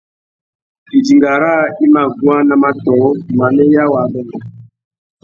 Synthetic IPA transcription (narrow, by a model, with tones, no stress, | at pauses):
i˨di˨ŋɡa˨ɾa˦˨i˦ma˨ɡu˨˦ã˦na˨ma˦tɔ˨˦ma˨nɛ˦ja˦wa˨bɛ˦nɔ˨